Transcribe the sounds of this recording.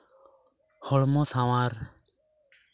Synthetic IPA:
hɔɭmõːsãːʋaːɾ

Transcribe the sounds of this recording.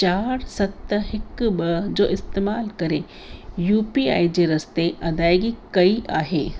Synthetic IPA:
t͡ʃaːɾsɐt̪ɦɪkbɐd͡ʒoːʔɪst̪eːmaːlkɐɾe | juːpia̰ːid͡ʑeɾɐst̪eʔɐd̪aːjɡikɐiʔaːɦeː

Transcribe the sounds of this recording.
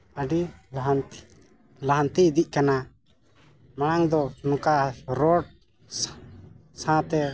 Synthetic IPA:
əɖilɦn | laɦant̪iːd̪iʔ̚kana | maɽ̃aŋd̪ɔnɔ̃kaɾɔɖ̚ | s | sãt̪ɛ

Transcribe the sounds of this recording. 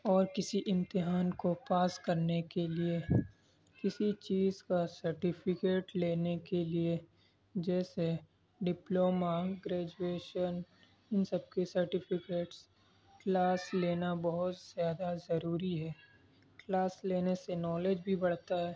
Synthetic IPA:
ɔːɾkɪsiʔɪ̃mt̪ɪɦaːnkopaːskɐɾnekelie | kɪsit͡ʃiːzkasɐɾʈɪpʰɪkeːʈleːnekelie | d͡ʒɛːse | ɖɪploːmaɡɾɛːd͡ʒueːʃən | ɪnsɐb̚kesɐɾʈɪpʰɪkeːʈs | klaːsleːnabɐɦʊt̪z̥jaːd̪azɐɾuːɾiɦɛː | klaːsleːnesenɔːled͡ʒbʱibɐɽ̤t̪aɦɛː

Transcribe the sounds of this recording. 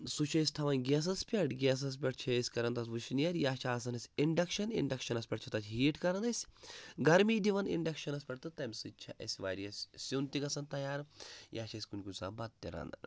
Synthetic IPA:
sut͡ʃʰɐsʲt̪ʰɐʋɐnɡʲeːs̬ɐspʲɐʈɡʲeːs̬ɐs̬pʲɐʈt͡ʃʰɐsʲkɐɾɐnt̪ɐsʋuʃnjɐɾjaːt͡ʃʰaːs̬ɐnɐsʲiɳɖɐkʃɐnḭɳɖɐkʃɐnɐspʲɐʈt͡ʃʰɐt̪ɐtʲʰɦiːʈkɐɾɐnɐsʲɡɐɾmiːd̪iʋɐnḭɳɖɐkʃɐnɐspʲɐʈ̚t̪ɨt̪ɐmsɨt͡ʃʰɐʔɐ̰sʲʋa̰ːɾijɐsʲsunt̪ikɐsɐnt̪ɐjaːɾjaːt͡ʃʰɐsʲkunʲkusa̰ːbɐt̪t̪ːiɾɐ̰nd̪ɐ̰ɾ

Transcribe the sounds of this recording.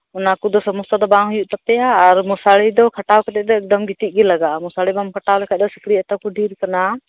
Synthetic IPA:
ʊnakud̪ɔsɔmʊst̪ad̪ɔbãːɦujuʔt̪ɐpɛjaːɾmɔsaɭid̪ɔkʰɐʈawkʰat̪ɛd̪ɔɛk̚d̪ɔmɡit̪iʔ̚ˀɡilɐɡamʊsaɭibamkʰəʈawlɛkʰaʔ̚d̪ɔsikʰɽiɛt̪akuɖʱiːɾkɐna

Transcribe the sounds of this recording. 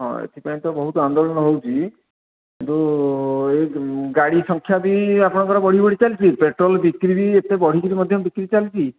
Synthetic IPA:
ɦɔ̰̃ḛt̪ʰipaj̃t̪ɔbɔɦut̪ɔand̪oɭɔnɔɦowt͡ʃʰi | kkint̪u | eɡaɽisɔŋkʰjabiapɔɽ̃ɔkɔɾɔbɔɽ̤ibɔɽ̤it͡ʃalit͡ʃʰipeʈɾɔlbikɾibiet̪ebɔɽ̤ikiɾimɔd̪ʱjɔbikɾiit͡ʃalit͡ʃʰi

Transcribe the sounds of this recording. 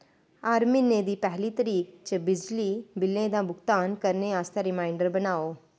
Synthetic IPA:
aːɾminːeːd̪iːpɛɦliːt̪əɾiːk̚t͡ʃəbɪd͡ʒliːbɪlẽːd̪ãːbʊkt̪aːnkəɾneaːst̪eːɾɪmaːɪɳɖəɾbənaːoː

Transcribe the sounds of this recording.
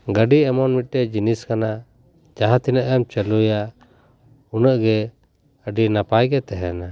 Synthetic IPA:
ɡəɖiɛmɔnmiʈːɛd͡ʒiniskana | d͡ʒaɦãt̪inəʔɛmt͡ʃəlujaʔ | unəʔɡɛ | əɖinapajɡɛt̪ɛɦɛna

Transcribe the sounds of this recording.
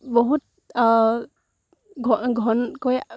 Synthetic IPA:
bɔɦut̪̚ | ɡʱɔɡʱɔnkoj

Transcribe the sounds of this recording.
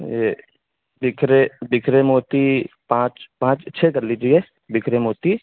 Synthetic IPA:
je | bɪkʰɾebɪkʰɾemoːt̪ipãːt͡ʃpãːt͡ʃt͡ʃʰeɡ̪ɐɾlid͡ʒie | bɪkʰɾemoːt̪i

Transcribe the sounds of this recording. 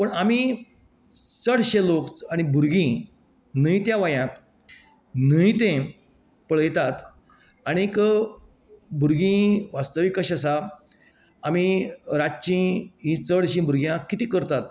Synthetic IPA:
pəɳami | t͡səɽɕelokaɽ̃ibʱuɾɡĩ | nəit̪jãʋajãk̪ | nəit̪ẽ | pəɭəjt̪at̪ | aɽ̃ikə | bʱuɾɡĩʋast̪əʋikəɕas̬aː | miɾat͡ɕĩɦĩt͡səɽɕĩbʱuɾɡijãkːit̪iːkəɾt̪at̪̚

